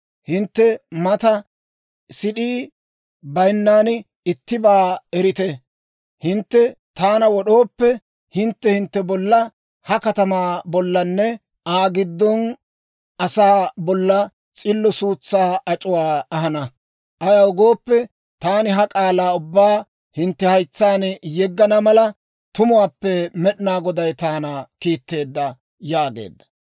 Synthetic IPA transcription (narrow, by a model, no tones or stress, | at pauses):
hɪnt̪ːɛmɐt̪ɐ | sɪɗiː | bɐjnːaːn | ɪt̪ːɪbaːɛɾɪt̪ɛ | hɪnt̪ːɛ | t̪aːnɐwɔɗo̞ːpːɛ | hɪnt̪ːɛhɪnt̪ːɛbɔlːɐ | hɐkɐt̪ɐmaːbɔlːɐnːɛ | aːɡɪd̪ːɔn | ɐsaːbɔlːɐ | t͡sʼɪlːɔsuːt͡sːaːɐt͡ʃʼʊwaːɐɦɐnɐ | ʔɐjɐʊɡoːpːɛ | t̪aːnɪɦɐkʼaːlaːʊbːaː | hɪnt̪ːɛhɐjt͡sːaːnjɛɡːɐnɐmɐlɐ | t̪ʊmʊwaːpːɛmɛɗnaːɡɔd̪ɐjt̪aːnakiːt̪ːe̞ːd̪ːɐ | jaːɡḛːd̪ːɐ̥